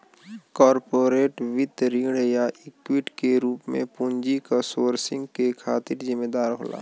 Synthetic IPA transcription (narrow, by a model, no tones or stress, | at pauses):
kɔːɾpoːɾeːʈʋɪt̪ɾiːɽjaʔɪkwɪʈkeɾuːpmḛ̃pʊɲd͡ʒikasoːɾsɪ̃ŋɡkekʰaːt̪ɪɾzɪmːeːd̪aːɾɦo̰ːla̰ː